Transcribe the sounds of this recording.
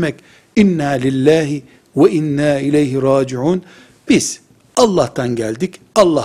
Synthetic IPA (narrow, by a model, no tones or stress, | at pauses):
mɛk | ʔɪnːaːlɪlːaːɦɪ | waʔɪnːaːɪlejɦɪɾˤɑːd͡ʒɪʕuːn | b̥ɪz | ʔɑlˠːɑːht̪ʰanɟælʲd̪ikʔɑlˠːɑː